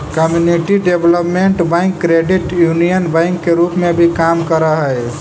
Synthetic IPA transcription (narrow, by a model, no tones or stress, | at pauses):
kəmjuniʈiɖebʱləpmeɳʈbãɪ̃ŋkːɾeɖiʈjunijənbãɪŋkːeɾupmebʱikamkəɾəɦəj